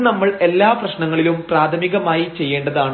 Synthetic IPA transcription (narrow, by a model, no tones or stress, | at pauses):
nɐmːɐɭe̞lːaːprɐɕnɐŋːɐɭilumpraːt̪ʰɐmiɣɐmaːjit͡ɕe̞jːe̞ːɳɖɐðaːɳ